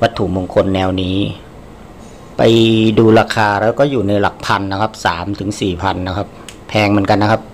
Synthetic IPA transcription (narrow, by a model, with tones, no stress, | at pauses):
wa˦˥t̪ʰːu˨˩moː˧ŋkʰo˧nːɛː˧wniː˦˥ | pa˧jduː˧ɾaː˧kʰaː˧ɾɛː˦˥wkɔː˥˩juː˨˩na˧jla˨˩k̚pʰa˧nːa˦˥kʰa˦˥p̚saː˩˦mt̪ʰɯ˩˦ŋsiː˨˩pʰa˧nːa˦˥kʰa˦˥p̚pʰɛː˧ŋmɯ˦ənka˧nːa˥kʰa˦˥p̚